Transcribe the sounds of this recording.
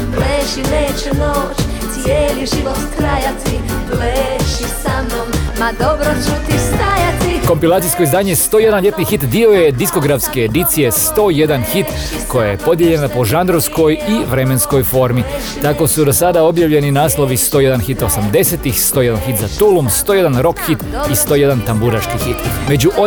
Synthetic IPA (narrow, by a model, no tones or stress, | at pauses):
ɡleːʃinet͡ʃunot͡ʃ | t̪sjeːliʒiʋot̪k̪ɾajat̪i | leʃisamomːad̪obɾot͡ʃut̪ist̪ajat̪iko̞mpilaːt̪ijsko̞izd̪aːɲejst̪oːje̞d̪anʎe̞t̪nixit̪d̪ioje̞d̪isko̞ɡɾafskeːd̪it̪sije̞st̪o̞ːjed̪anxit̪ | ko̞jaje̞po̞d̪je̞ʎe̞napo̞ʒand̪ɾoʋsko̞jiʋɾe̞me̞nsko̞jfo̞ɾmi | t̪ako̞sud̪o̞sad̪ao̞bjaʋʎe̞ninaːslˠo̞ʋist̪oje̞d̪anxit̪osamd̪e̞se̞t̪ixst̪o̞ːje̞d̪anxit̪zat̪ulˠumst̪oje̞d̪anɾo̞kxit̪ist̪o̞ːje̞d̪ant̪ambuɾaʃkixit̪me̞d͡ʒuʔo